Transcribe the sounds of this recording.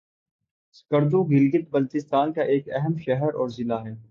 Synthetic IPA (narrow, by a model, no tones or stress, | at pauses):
skəɾd̪oɡɪlɡɪt̪̚bɐlt̪ɪst̪aːnkaʔeːkɛɦɛmʃɛɦɛɾɔːɾzɪlaɦɛː